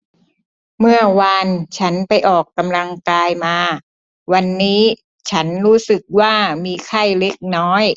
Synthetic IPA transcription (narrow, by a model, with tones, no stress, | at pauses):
mɯ˥˩ɐwa˧nt͡ɕʰa˦˥npa˧jʔɔː˨˩kːa˧mla˧ŋkaː˧jmaː˧ | wa˧nːiː˦˥ | t͡ɕʰa˦˥nɾuː˦˥sɯ˨˩k̚waː˥˩miː˧kʰa˥˩jle˦˥k̚nɔː˦˥j